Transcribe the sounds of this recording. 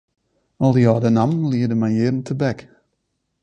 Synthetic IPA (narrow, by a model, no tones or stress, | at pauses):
ɔlˠdəjɔːdənamnliːədəmajɪːdən̩tʰəbɛk